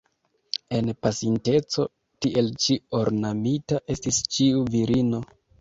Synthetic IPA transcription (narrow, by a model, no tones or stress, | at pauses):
e̞npasinte̞t͡so̞ | tiʔe̞lt͡ʃio̞ɾnamitaʔe̞stist͡ʃiuviɾino̞